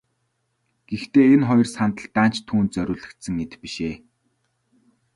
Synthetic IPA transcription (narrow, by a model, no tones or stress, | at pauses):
ɡ̥ext̪eːenχɔjɞ̆rsant̪ə̆ɮt̪aːnt͡ɕt̪ʰːuːnt̪̚t͡sœɾʲʊːɮɘ̆kt̪sə̆ŋːet̪piʃeː